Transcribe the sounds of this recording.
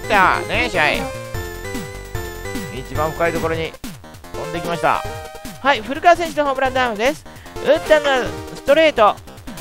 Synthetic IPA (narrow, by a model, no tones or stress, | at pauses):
t̪aneɕaḭ | it͡ɕibãɰ̃ɸɯ̟̥kait̪o̞ko̞ɾo̞ɲ̟i | õnd̪ekʲimaɕi̥t̪a̰haiɸɯ̟ɾɯ̟kasẽɲɕinɦoːbɯɾãd̪amɯd̪e̞sɨ̥ɯ̟̃nt̪anːosɨ̥t̪o̞ɾe̞ːt̪o̞